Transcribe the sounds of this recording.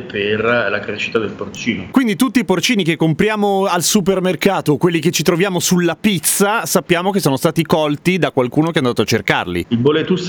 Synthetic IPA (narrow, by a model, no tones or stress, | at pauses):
perlakɾeʃːi̥t̪ad̪elport͡ʃiːnokwind̪it̪ut̪ːiːport͡ʃiːnikekːompɾjaːmoalsup̬ermerkaːt̪okwelːiket͡ʃːit̪ɾovjaːmosulːapit̪sːasapːjaːmokesːɔːnost̪aːt̪ikɔlt̪id̪akwalkuːnokeand̪aːt̪oat͡ʃːerka̰rlḭilbolet̪us